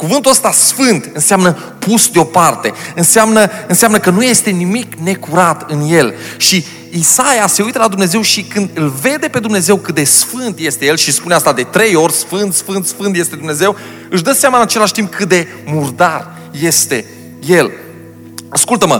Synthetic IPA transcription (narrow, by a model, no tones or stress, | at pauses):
kuvɨnt̪uəst̪asfɨnt̪ɨnseamnə | pusd̪eo̞part̪e̞ɨnseamnəɨnseamnəkənuje̞st̪e̞nimikne̞kuɾat̪ɨnje̞lʃi | isajase̞ujt̪əlad̪umne̞ze̞wʃikɨnd̪ɨlve̞d̪e̞pe̞d̪umne̞ze̞wkɨt̪e̞sfɨnt̪je̞st̪e̞je̞lʃispuneast̪ad̪e̞t̪ɾe̞jo̞rʲsfɨnt̪sfɨnt̪sfɨnt̪je̞st̪e̞d̪umne̞ze̞w | ɨʃd̪əseamaɨnat͡ʃe̞laʃʲt̪imp̚kʰɨt̪e̞ | murd̪ar | je̞st̪e̞ | je̞l | askult̪əmə̰